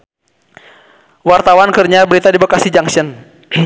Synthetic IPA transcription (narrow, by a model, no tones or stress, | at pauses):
wart̪awankərɲabəɾit̪adibakasid͡ʒaŋsən